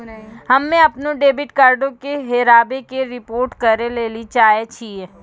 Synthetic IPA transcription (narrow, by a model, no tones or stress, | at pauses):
ɦɐmːẽɐpnõɖeːbɪʈkaːɾɖõkeɦeːɾaːbekeɾɪpoːɾʈkɐɾeleːlit͡ʃaːɦet͡ʃʰie